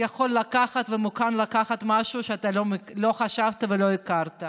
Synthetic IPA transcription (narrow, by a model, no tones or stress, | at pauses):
jaχo̞lːakaχat̪vemukanlakaχat̪maʃuʃeat̪alomlo̞χaʃavt̪avelo̞ikaʁt̪a